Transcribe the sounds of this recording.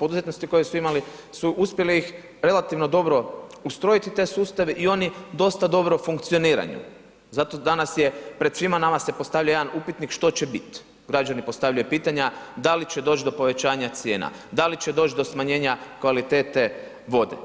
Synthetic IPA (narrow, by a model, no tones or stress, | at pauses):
pod̪uzet̪no̞st̪iko̞jesuimali | suʔuspjeliix | ɾe̞lat̪iʋno̞d̪o̞bɾo̞ust̪ɾo̞jit̪it̪e̞suːst̪aʋeʔio̞nid̪o̞st̪ad̪o̞bɾofuŋkt̪sio̞niːɾa̰ɲṵ | zat̪o̞d̪anasjepɾed̪sʋimanamasepo̞st̪aʋlʎajed̪anupit̪nikʃt̪o̞t͡ɕebit̪ | ɡɾad͡ʒanipo̞st̪aʋʎʲajupiːt̪aɲad̪alit͡ɕed̪o̞t͡ʃd̪o̞po̞ʋe̞t͡ʃaːɲat̪sje̞ːna̰ | d̪alit͡ɕed̪o̞ːt͡ʃd̪o̞smaɲe̞ːɲakʋalit̪e̞ːt̪e̞ | ʋo̞d̪ḛ